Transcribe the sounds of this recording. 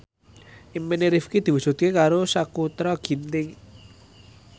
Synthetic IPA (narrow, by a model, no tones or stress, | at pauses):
ʔimpeneɾifkid̪̥i̤wusṳt̪̚kekaɾosakut̪ɾɔɡ̥i̤nt̪ɪŋ